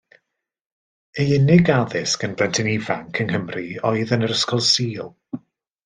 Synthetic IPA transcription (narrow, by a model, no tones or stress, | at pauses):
eɪnɪɡaðɪskənblˠɛntʰɪnivaŋkʰənhəmriɔɨðənəɾəskɔlˠsiːlˠ